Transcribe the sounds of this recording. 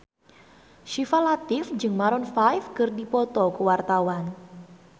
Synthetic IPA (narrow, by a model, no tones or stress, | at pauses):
ʃifalat̪ɪfd͡ʒɨŋmaɾɔnfajfkərdipɔt̪ɔkəwart̪awan